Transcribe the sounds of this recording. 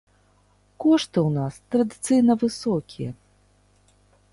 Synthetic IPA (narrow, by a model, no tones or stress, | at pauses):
kɔʂt̪ɨwnast̪ɾɐd̪ɨt̪sɨjnɐvɨsɔkʲijɛ